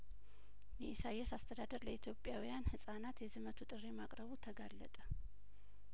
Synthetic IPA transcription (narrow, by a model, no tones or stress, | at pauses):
mɛʔisajɛsast̪ʰəd̪ad̪əɾləit̪ʰjo̞pʼjawijanhɨsʼanat̪jɛzɨmət̪ʰut̪ʼɨrːemakʼɾəβut̪ʰəɡalːə̰t̪ʼə